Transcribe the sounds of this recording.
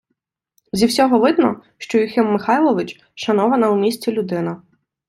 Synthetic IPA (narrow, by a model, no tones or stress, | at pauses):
zʲiwsʲɔɦɔʋɪd̪nɔ | ʃt͡ʃɔjixɪmːɪxɑjlˠɔʋɪt͡ʃ | ʃɐnɔʋɐnɐumʲisʲt͡sʲilʲʊd̪ɪnɐ